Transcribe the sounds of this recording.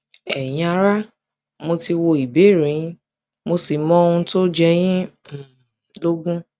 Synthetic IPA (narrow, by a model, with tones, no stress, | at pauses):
ɛ˨j̃ĩ˧a˧ɾa˦ | mo˧ti˧wo˧i˨be˨˦˨ɾĩ˨˧ĩ˦ | mo˧si˨mɔ̃˦˧ũ˧to˦d͡ʒɛ˧j̃ĩ˦˨ | lo˦ɡũ˦